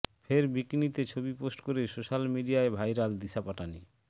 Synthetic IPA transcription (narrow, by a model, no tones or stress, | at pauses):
fʰeɾbikinit̪et͡ɕʰobiposʈkoɾesoʃalmiɖiaebʱajɾald̪isʰapaʈani